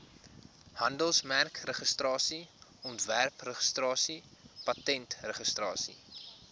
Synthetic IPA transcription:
hɐndəlˠsmærkrəχəstrɑːsiɔntværprəχəstrɑːsi | pɐtɛntrəχəstrɑːsḭ

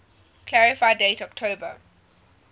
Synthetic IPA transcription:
kʰlæɹɪfaɪdeɪtɔk̚tʰoːbə

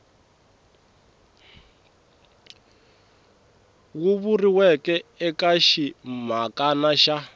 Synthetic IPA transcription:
wuβuriwɛkɛɛkaʃim̤akʼanaʃa

